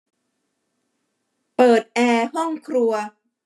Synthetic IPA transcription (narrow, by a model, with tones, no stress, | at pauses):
pɤː˨˩t̪̚ʔɛː˧hɔ˥˩ŋkʰɾu˧ɐ